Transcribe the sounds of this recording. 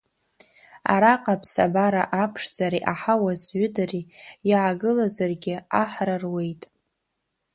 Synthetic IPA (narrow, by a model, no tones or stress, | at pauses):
a̰ɾaqʼapʰsa̰baɾaʔapʰʂd͡zaɾiʔaħawazɥʏdarijʕaɡɨlazarɡʲɪaħrarwe̞jtʼ